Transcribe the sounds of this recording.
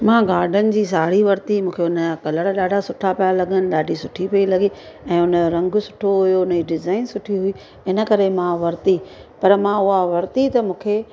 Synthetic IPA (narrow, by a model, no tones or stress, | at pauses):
mãːɡaːɾɖʱənɪ̆d͡ʑiːs̬aːɽ̤iʋɐɾt̪imũːkʰeʊnəakɐləɽɗaːɖʱasʊʈʰapijalɐɠənɪ̆ɗaːɖʱisʊʈʰipɐilɐɠi | ɛ̃ːʊnə̆ɾɐ̃ŋɡʊ̆sʊ̥ʈʰoɦʊjoʊnəd͡ʑiɖɪzaːɪnsʊʈʰiɦʊi | ɪnə̆kɐɾemãʋɐɾt̪i | pɐɾmãʊɦaʋɐɾt̪it̪ɐmũːkʰeː